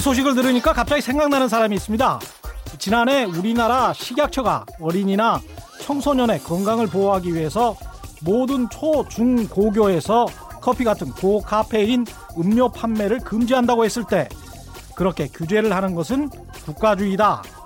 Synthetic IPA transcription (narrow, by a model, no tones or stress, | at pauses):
isʰoɕ̬ʰiɡɯɭt̬ɯɾɯɲik͈akap̚t͡ɕ͈aɡisʰe̞ŋɡaŋnanɯnsʰaɾamiːs͈ɯmɲidat͡ɕinane̞uɾinaɾaɕʰiɡjak̚t͡ɕʰʌɡa̰ʌɾiɲina | t͡ɕʰʌŋsʰoɲʌne̞kʌŋɡaŋɯɭpoʌɦaɡiɥiɦe̞sʰʌmodɯnt͡ɕʰot͡ɕuŋkoɡjoe̞sʰʌ | kʰʌpʰiɡatʰɯnkokʰapʰe̞in | ɯmɲjopʰanme̞ɾɯɭkɯmd͡ʑiɦandaɡohe̞s͈ɯɭt͈e̞ | kɯɾʌkʰe̞kjud͡ʑe̞ɾɯɭhanɯnɡʌsʰɯn | kuk̚k͈ad͡ʑuida